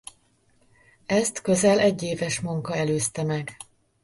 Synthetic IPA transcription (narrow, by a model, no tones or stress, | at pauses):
ɛst̪kø̞zɛlʔɛɟːeːvɛʃmuŋkɒɛløːst̪ɛmɛɡ